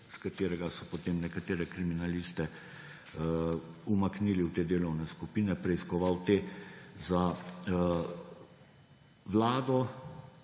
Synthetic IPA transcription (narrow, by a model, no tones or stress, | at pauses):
skat̪eːɾɛɡasɔpɔt̪eːmnɛkat̪eːɾɛkɾiminalist̪ɛ | umakniːliwt̪eːd̪eːlɔwnɛskupiːnɛpɾɛiskɔʋawt̪eːza | ʋlaːd̪ɔ